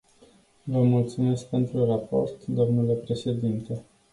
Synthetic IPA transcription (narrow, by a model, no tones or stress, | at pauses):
vəmult̪sume̞sk̚pe̞nt̪ɾurapo̞̰rt̪d̪o̞mnule̞pɾe̞ʃe̞d̪int̪e̞